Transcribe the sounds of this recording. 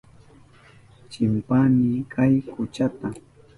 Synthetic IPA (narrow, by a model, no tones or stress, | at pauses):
t͡ʃɪmpanikʰajkʊt͡ʃat̪a